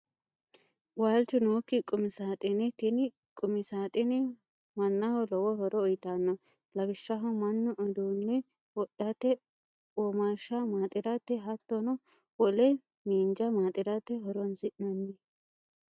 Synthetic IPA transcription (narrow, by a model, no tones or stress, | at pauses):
waːlt͡ʃʊnoːkːɪkʼʊmɪsaːt̪ʼɪnɛt̪ɪnɪ | kʼʊmɪsaːt̪ʼɪnɛ | mɐnːɐhɔlɔwɔhɔɾɔːjɪt̪anːɔ | lɐbɪʃːɐɦɔmɐnːɔʔɔd̪uːnːɛ | wɔɗːɐt̪ːɛ | ɔmaʃɐmaːt̪ʼɪɾɐt̪ːɛɦɐt̪ːɔnɔ | wɔlɛ | miːnd͡ʒɐmaːt̪ʼɪɾɐt̪ːɛɦɔɾɔnsɪʔnɐnːɛ